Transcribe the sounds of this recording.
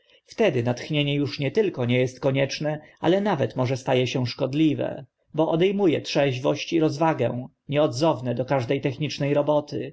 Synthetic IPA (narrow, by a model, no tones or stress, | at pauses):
ft̪ɛd̪ɘnat̪xɲeɲɛjuʂɲɛt̪ɘlkɔɲɛjɛst̪̚kɔɲɛt͡ʂnɛa̰lɛnavɛt̪mɔʐɛst̪ajɛɕɛ̃ʂkɔd̪lʲivɛ̰ | bɔʔɔd̪ɛjmujɛ̰t̪ʂɛʑvɔɕt͡ɕiɾɔzvaɡɛ̃ | ɲɛɔd̪zɔvnɛd̪ɔkaʐd̪ɛjt̪ɛxɲit͡ʂnɛjɾɔbɔt̪ɘ̰